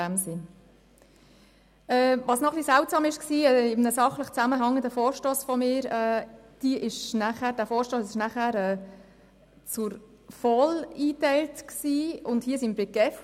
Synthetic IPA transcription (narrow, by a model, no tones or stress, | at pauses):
æmsɪn | ɛːvʋɑsnɔχlisæʊtsɑːmɪʃksiːɛɪmnəsɑχləχt͡sæməɦɑŋːənd̪əfɔːɾʃtoːsfɔmɪːɾɛːd̥iəʔɪʃnæχæːɾd̥æːfɔːɾʃtoːsɪʃnæχæːɾɛː | t͡sʊɾ | fɔliːtæɪltksiːʊndhiəsimɾɪɡɛf